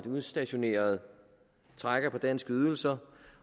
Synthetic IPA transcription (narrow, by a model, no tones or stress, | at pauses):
d̥uðˠsd̥æɕo̝ne̝̰ːɐð̞̩ˠ | t͡sʰʁaɡ̥ɐpʰɒ̽d̥ænsɡ̥əyð̞ˠl̩sɐ